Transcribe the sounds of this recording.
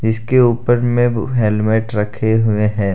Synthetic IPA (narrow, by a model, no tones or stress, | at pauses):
ɪskeuːpəɾmẽɦelmeːʈɾɐkʰeɦʊeɦɛ̃ː